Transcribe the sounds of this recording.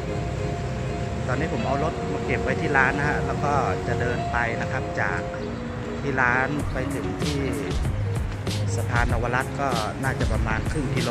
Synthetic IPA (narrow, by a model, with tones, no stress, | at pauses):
t̪ɔː˧niː˦˥pʰo˩˦mʔa˧wlo˦˥t̪̚mɔː˧˩ke˨˩p̚wa˦˥jt̪ʰiː˥˩laː˦˥nː˧ha˧˥ʔlɛː˦˥wkɔː˥˩t͡ɕa˨˩dɤː˧npa˧jna˦˥kʰa˦˥˩p̚t͡ɕaː˨˩k̚ | t̪ʰiː˥˩laː˦˥npa˧jt̪ʰɯ˩˦ŋt̪ʰiː˥˩ | sa˧pʰaː˧nʔa˧wa˧la˦˥t̪̚kɔː˥˩naː˥˩t͡ɕa˨˩pa˧maː˧nkʰɯ˥˩ŋki˧loː˧